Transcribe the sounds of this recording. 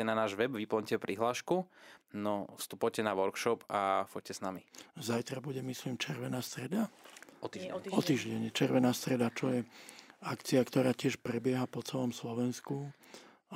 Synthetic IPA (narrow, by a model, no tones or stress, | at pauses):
ɛnanaːʒʋɛbʋiplɔɲcɛpɾʔiɦlaːʃkunɔfst̪upɔjcɛnaʋɔɾkʃɔpafɔc̚cɛsnamizajt̪ɾabuɟɛmisliːmt͡ʃɛɾʋɛnaːst̪ɾɛd̪aɔt̪iɔt̪iːʒɟɛɲɛt͡ʃɛɾʋɛnaːst̪ɾɛd̪at͡ʃɔjɛakt͡siakt̪ɔɾaːcɪɛʃpɾɛbɪɛɦapɔt͡sɛlɔmslɔʋɛnsku